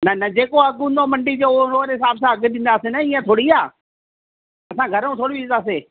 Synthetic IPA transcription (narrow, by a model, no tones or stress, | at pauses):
nɐnɐd͡ʑeːkoɐɡʊ̃nd̪omɐ̃ɳɖid͡ʑoːɾoːɾɦɪsaːbs̬ãɐɡɗɪ̃ːnd̪aːsenɐiːə̃t̪ʰoːɽiaː | ɐsãɡʱɐɾũt̪ʰoːɽiinaːs̬eː